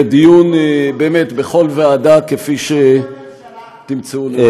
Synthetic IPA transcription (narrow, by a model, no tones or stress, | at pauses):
d̪ijunbeːmetbeχo̞lveadakefiʃe | t̪imt͡seul